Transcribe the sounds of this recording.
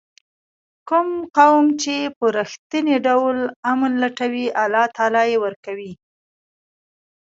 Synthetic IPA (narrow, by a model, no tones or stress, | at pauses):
kʊmqawmt͡ʃepəɾəxt̪əneɖawlamanlaʈawiʔalɑt̪ʰɑlɑjewəɾkawi